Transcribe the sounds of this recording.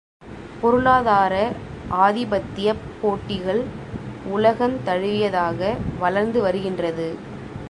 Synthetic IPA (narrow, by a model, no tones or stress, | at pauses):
pɔɾɯɭaːðaːɾɐʔaːðɪbɐt̪ːɪjɐpːoːʈːɪɣɐɭ | ʊlɐɣɐnt̪ɐɻɯʋɪjɐðaːɣɐʋɐlɐɾnd̪ɯʋɐɾɯɣɪndrɐðɯ